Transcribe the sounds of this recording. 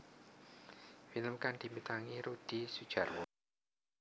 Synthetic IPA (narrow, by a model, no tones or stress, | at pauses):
filəmkand̪̥i̤mit̪aŋiɾud̪̥i̤sud̥ʒ̥a̤rwɔ